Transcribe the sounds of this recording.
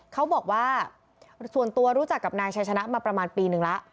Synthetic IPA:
kʰa˦˥wbɔː˨˩k̚waː˥˩ | su˨˩ənt̪u˧ɐɾu˦˥t͡ɕa˨˩kːa˨˩p̚naː˧jt͡ɕʰa˦˥jt͡ɕʰa˧na˦˥ʔmaː˧pɾa˧maː˧npiː˧nɯ˨˩ŋla˦˥ʔ

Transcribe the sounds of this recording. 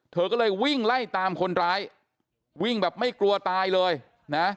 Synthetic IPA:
t̪ʰɤː˧kɔː˥˩lɤː˧jwi˥˩ŋla˥˩jt̪aː˧mkʰo˧nɾaː˦˥j | wi˥˩ŋbɛː˨˩p̚ma˥˩jklu˧ɐt̪aː˧jlɤː˧j | na˦˥

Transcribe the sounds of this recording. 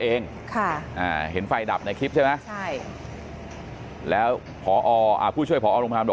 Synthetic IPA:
ʔeː˧ŋ | kʰa˥˩ʔaː˨˩ɦe˩˦nfa˧jda˨˩p̚na˧jkʰi˦˥p̚ʰa˥˩ma˦˥t͡ɕʰa˥˩j | lɛː˦˥w | pʰɔː˩˦ʔɔː˧ʔa̰ː˨˩uː˥˩t͡ɕʰu˥˩əpɔ˩˦˥ʔːɾo˧mt̪ʰaː˧mdo˨˩

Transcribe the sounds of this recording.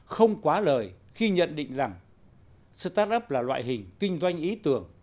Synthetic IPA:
xə˧wŋ͡mkwaː˨˦ləː˨˩j | xi˧ɲə̰˧˨nɗḭ̈˧˨ŋ̟za˨˩ŋ | sɨ̰˧t̪a˦˥t̚ʔə˦˥p̚laː˨˩lwa̰ː˧˨jɦï˨˩ŋ̟kï˧ŋ̟zwa˧jŋ̟ʔi˨˦t̪ɨ˨˩əŋ

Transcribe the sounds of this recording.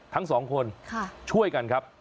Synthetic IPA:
t̪ʰa˦˥ŋsɔː˩˦ŋkʰo˧nkʰa˥˩t͡ɕʰu˥˩əjka˧nkʰa˦˥p̚

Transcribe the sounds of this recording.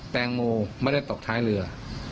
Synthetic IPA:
t̪ɛː˧ŋmoː˧ma˥˩˨da˥˩jt̪o˨˩k̚t̪ʰaː˦˥jlɯ˧ɐ

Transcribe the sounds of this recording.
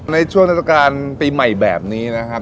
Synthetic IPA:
na˧jt͡ɕʰu˥˩əŋn˦˥t̪ʰːa˧kaː˧npiː˧ma˨˩jbɛː˨˩p̚niː˦˥na˦˥kʰa˦˥p

